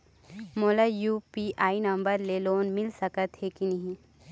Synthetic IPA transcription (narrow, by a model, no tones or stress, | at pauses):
moːlajuːpiʔaːinɐ̃mbəɾleːloːnmɪlsɐkət̪ɦekinɐɦĩ